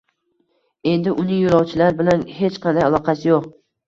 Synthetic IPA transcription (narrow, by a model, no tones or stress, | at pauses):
e̞nd̪ɪʔʊnɪŋjoɾɒwt͡ʃʰɪlaɾbɪlanhe̞t͡ʃqʰɑnd̪ajalˠɒqʰɑsɪjoq̚